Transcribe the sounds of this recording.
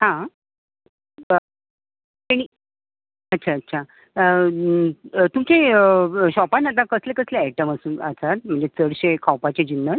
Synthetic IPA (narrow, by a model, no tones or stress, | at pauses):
ɦã | t̪eɽ̃i | ətːɕʰaətːɕʰa | ə | t̪umt͡ɕeəɕɔpanːat̪̬akəslekəsleɛʈəməsuːnəsat̪̚m̤əɳd͡ʑet͡səɽɕekʰawpat͡ɕed͡ʑinːə